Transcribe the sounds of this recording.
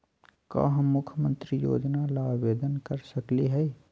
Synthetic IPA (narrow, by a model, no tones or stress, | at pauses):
ka̰ɦmʊkʰjəmə̃nt̪ɾijo̰ːd͡ʒnalaːbʋeːd̪ənkəɾsɐkliɦɛ